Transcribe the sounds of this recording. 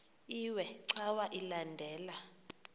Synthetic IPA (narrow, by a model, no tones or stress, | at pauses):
iwɛǀawaʔilandʱɛːla